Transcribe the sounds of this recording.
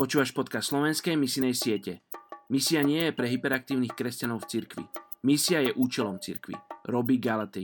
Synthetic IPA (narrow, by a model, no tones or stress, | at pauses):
pɔt͡ʃuːʋaʃpɔt̪kasslɔʋɛnskɛjmisinɛjsɪɛcɛmisiaɲɪɛjɛpɾɛɦipɛɾak̚t̪iːʊnixkɾɛscanɔʊft͡siɾkʋḭmisiajɛʔuːt͡ʃɛlɔmt͡sḭɾkʋḭɾɔbiɡalat̪i